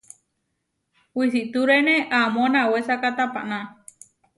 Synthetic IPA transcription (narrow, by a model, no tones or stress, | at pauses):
wis̬iʔt̪uɾeneʔamõnawesakat̪apa̰ʔna